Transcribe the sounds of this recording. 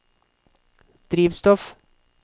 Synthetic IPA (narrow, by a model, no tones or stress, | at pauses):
d̪̥ɾiːʋst̪ɔf